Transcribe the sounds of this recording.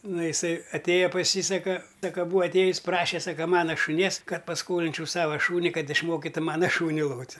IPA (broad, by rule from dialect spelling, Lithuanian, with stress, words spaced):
ˈnʊ ɪˈsɐɪ ɐˈtʲeːjɛ pɐs ˈjiː ˈsɑːkɐ ˈsɑːkɐ buːɐ ɐtʲˈeːjʊsʲ ˈprɑːʃʲɛ ˈsɑːkɐ ˈmɑːnoː ʃʊˈnʲiɛs ˈkɐt pɐsˈkoːlʲɪnʲt͡ʃʲɛʊ ˈsɑːʋɐ ˈʃuːnʲɪ ˈkɐt ɪʃˈmoːkʲɪtʊ ˈmɑːnɐ ˈʃuːnʲɪ ˈlˠoːtʲ